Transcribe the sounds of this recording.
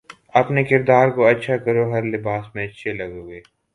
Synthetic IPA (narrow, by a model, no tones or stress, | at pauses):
ɐpnekɪɾd̪aːɾkoɐtːʃʰakɐɾoɦɐɾlɪbaːsmẽɐtːʃʰelɐɡoːɡeː